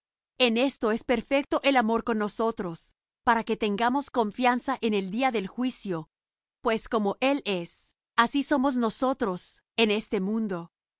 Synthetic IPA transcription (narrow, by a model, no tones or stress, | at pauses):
ene̞st̪o̞e̞spe̞ɾfe̞k̚t̪o̞ʔelamo̞ɾko̞nːo̞so̞t̪ɾo̞s | paɾake̞t̪e̞ŋɡamo̞sko̞ɱfjansaʔe̞neld̪iaðe̞lxwisjo̞ | pwe̞sko̞mo̞ʔe̞le̞s | asiso̞mo̞zno̞so̞t̪ɾo̞s | e̞ne̞st̪e̞mũnd̪o̞